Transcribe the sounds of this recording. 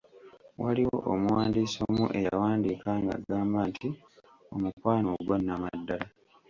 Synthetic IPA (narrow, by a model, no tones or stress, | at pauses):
wʔaliwo̰ʔomuwaːndiːsomuʔe̞jawaːndiːkaːŋɡa̰ɡaːmbanti | o̞mukwaːnoɡwanːamadːala